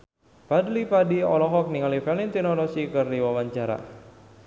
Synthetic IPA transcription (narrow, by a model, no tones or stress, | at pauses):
padlipadiɔlɔɦɔk̚niŋalifɛlint̪inɔlɔsikɨrdiwawaɲt͡ʃaɾa̰